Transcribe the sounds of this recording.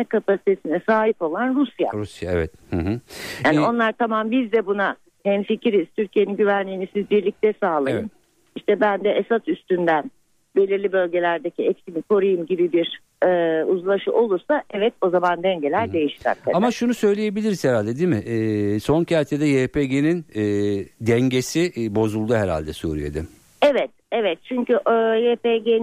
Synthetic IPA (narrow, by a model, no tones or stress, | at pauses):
ɛkapasi̥t̪ʰe̞sinɛsaːɦipo̞lˠanɾusja̰ɾusja̰ɛ̰vɛ̰t̪hɯ̃ɦɯaːnio̞nlˠaɾt̪ʰamambizd̪ɛbuna | hɛnficɾiz̥t̪ʰyɾcʰije̞ninɟyvænlʲiːnisizbiɾlʲic̚t̪ʰɛsaːlˠajɯn | iʃt̪ʰɛbænd̪ɛʔesat̪yst̪ynd̪æn | be̞lʲiɾlʲibø̞lʲɟe̞lʲæɾd̪ecʰiɛcsimikʰo̞ɾajɯmɟibibiɾ | ɛːuzlˠaʃɯʔo̞lˠuɾsaʔɛvɛt̪̚o̞zamand̪ɛɲɟe̞lʲæɾd̪e̞jiʃɾɛ̰ɾkʰa̰amaʃunusø̞jlʲeje̞bilʲiɾiz̥hɛɾalʲd̪ɛd̪imɪɛso̞ncʰaɾt̪ʰed̪ɛjepʰeɟeninː | d̪ɛɲɟesibo̞zulˠd̪uɦɛɾa̰lʲd̪ɛsṵːɾḭjḛd̪ɪm | ɛvɛt̪̚ɛvɛt̪̚t͡ʃʰyɲcyʔjepeɟen